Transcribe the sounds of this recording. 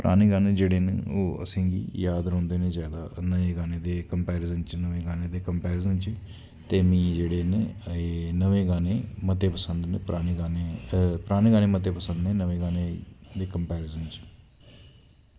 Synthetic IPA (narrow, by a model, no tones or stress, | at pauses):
pɾʔaːneːɡaːneːd͡ʒeːɽeːnoːə̰sĩːɡḭːjaːd̪ɾõːnd̪eːneːzjaːd̪a̰ːnəʋẽːɡaːneːd̪eːkəmpɛːɾizənt͡ʃnəʋẽːɡaːneːd̪eːkəmpɛːɾɪːzənt͡ʃː | t̪eːmĩːd͡ʒeːɽeːnː | nəʋẽːɡaːneːmət̪eːpəsənd̪npɾaːneɡaːnepɾaːñeːɡaːneːmət̪eːpəsənd̪nẽːnəʋẽːɡaːneːd̪eːkəmpɛːɾɪːzənt͡ʃ